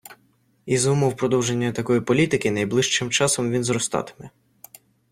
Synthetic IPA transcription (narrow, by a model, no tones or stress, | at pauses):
izumʊwpɾɔd̪ɔwʒe̞nʲːɐt̪ɐkɔjipɔlʲit̪ɪkɪnɐjblˠɪʃt͡ʃɪmt͡ʃɑsɔmʋʲinzɾɔst̪ɑ̰t̪ɪ̥mɛ